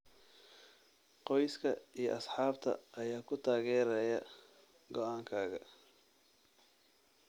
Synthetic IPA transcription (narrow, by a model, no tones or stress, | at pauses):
qɔjskʰɐijɞʔɐsħɑːbt̪ʰɐ̰ʔɐjaːkʰʊt̪ʰaːɣɛːɾɛjɐ | ɡɔʔaːŋkʰaːɣɐ